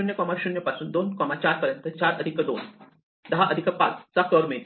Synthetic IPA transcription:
unjəkɔmaɕunjəpasuːnd̪onkɔmat͡ɕaɾpəɾjənt̪ət͡ɕaɾəd̪ʱikəd̪o̰n | d̪əɦaʔəd̪ʱikəpat͡st͡sakəɾmet̪

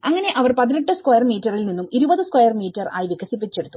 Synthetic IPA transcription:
ɐŋːɐne̞ʔɐʋɐrpɐðinɐʈːɨskwɐjɐrmiːtːɐrilninːumiɾubɐðɨskwɐjɐrmiːtːɐra̰ːjiʋiɣʱɐsipːit͡ɕːeɽut̪ːu̥

